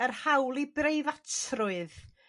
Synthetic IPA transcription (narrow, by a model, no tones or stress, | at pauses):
ərhawlˠibrejvatrʊɨð